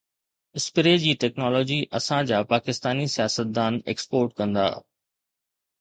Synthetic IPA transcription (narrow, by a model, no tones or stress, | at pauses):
ɪspɪɾed͡ʑiːʈɛːknɔːlɔːd͡ʑiʔɐsãd͡ʑaːpaːkɪst̪aːnisijaːsət̪̚d̪aːnḛːkspoːɾʈkɐ̃nd̪a̰ː